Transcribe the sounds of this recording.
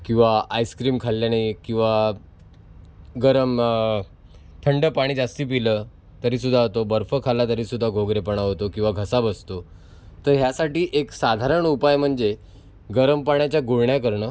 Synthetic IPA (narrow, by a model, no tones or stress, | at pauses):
kĩw̃ʋaajskɾiːmkʰalːjanajkĩw̃ʋa | ɡəɾəm | t̪ʰəɳɖəpaɽ̃iːd͡zast̪iːp̬ilə | t̪əɾiːs̬ud̪ʱːaɦot̪obəɾfəkʰalat̪əɾiːsud̪ʱːaɡʱoɡɾepəɳaɦot̪okĩw̃ʋaɡʱəsabəst̪o | t̪əɾɦjasaʈiːʔeksad̪ʱaɾəɳupajm̤əɳd͡ze | ɡəɾəmpaɳjat͡ɕjaɡoɽɳjakəɾɳəː